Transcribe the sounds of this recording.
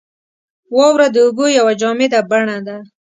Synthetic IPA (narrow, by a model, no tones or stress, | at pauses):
wɔwɾad̪əuɡojawad͡ʒɑmed̪abaɳad̪a